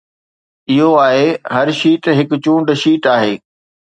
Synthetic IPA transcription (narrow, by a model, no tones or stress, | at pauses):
ɪɦoaːɦeːɦɐɾʃiːʈɦɪkʊt͡ɕũːɳɖʃiːʈaːɦeː